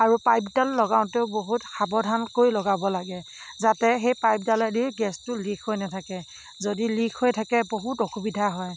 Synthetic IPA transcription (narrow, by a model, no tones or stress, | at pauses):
aɹupajpdalːɔɡaʊ̃ntɛʊboɦutxabɔdʱankojlɔɡabɔlaɡɛ | zatɛxejpajp̚daladiɹɡɛstʊlikʰhojnatʰakɛ | zodilikʰhojtʰakɛboɦutoxubidʱaɦɔj